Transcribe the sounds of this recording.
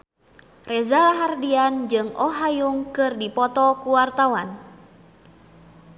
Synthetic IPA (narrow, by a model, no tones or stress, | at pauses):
rɛzalaɦardiand͡ʒɨŋʔɔɦajuŋkɨrdipɔt̪ɔkuwart̪awan